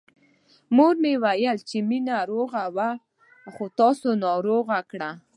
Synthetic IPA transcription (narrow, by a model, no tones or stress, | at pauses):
moɾmewajəlt͡ʃeminaɾoɣawa | xot̪ɑsonɑɾoɣakɽa